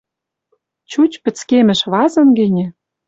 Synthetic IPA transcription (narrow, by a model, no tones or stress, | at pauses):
t͡ɕut͡ɕpɘ̆t͡skemɘ̆ʃβɑzɤ̆nɡɘ̆nʲɘ̆